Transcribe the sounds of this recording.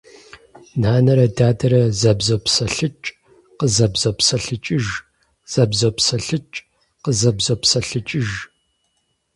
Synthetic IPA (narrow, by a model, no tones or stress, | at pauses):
naːnɐɾɐdaːdɐɾɐzɐbzopʰsɐɬɨt͡ʃʼ | qəzɐbzopsɐɬɨt͡ʃʼɪʒ | z̥ɐbzopsɐɬɨt͡ʃʼ | qəzɐbzopsɐɬɨt͡ʃʼɪʒ